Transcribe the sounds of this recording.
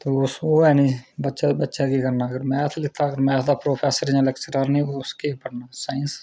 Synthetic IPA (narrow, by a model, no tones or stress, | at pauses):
t̪eːʊsoːɛːnĩːbətːʃaːd̪bətːʃaːkiːkəɾnaːəɡəɾmɛ̃ːt̪ʰlɪt̪ʰːaːɡəɾmɛ̃ːt̪ʰd̪aːpɾoːpʰɛːsəɾãlɛkt͡ʃəɾaːɾnĩːoʊskeːpəɽnaːsaːins